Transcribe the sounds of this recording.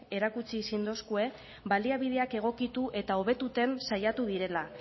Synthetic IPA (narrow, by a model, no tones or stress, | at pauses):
e̞ɾakut͡sisind̪o̞skue̞ | baliaβið̞e̞ake̞ɣ̞o̞kit̪uʔe̞t̪ao̞β̞e̞t̪ut̪e̞nsajat̪uð̞iɾe̞la